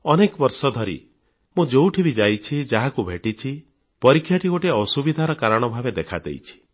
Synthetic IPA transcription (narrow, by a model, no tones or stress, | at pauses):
ɔnekɔbɔɾsɔd̪ʱɔɾḭ | mũd͡ʒewʈʰibid͡ʒajt͡ʃʰid͡ʒaɦakubʱeʈit͡ʃʰi | pɔɾikʰjaʈiɡoʈeɔsubid̪ʱaɾɔkaɾɔɽ̃ɔbʱabed̪ekʰad̪ḛjt͡ʃʰi̥